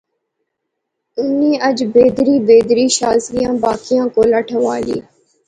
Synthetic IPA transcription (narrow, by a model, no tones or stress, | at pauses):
ʊniːəd͡ʒbeːd̪ɾiːbeːd̪ɾiːʃaːzɾɪjãːbaːkɪjãːkoːləʈʰəʋaːlḭː